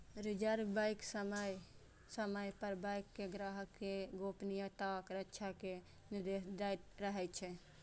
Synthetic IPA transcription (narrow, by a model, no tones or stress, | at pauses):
ɾid͡ʒəɾbaɪksəməj | səməjpəɾbajkːeɡɾaɦəkːeɡopnijat̪akɾətːʃʰake | niɾd̪esd̪aɾəɦɛt͡ʃʰɛ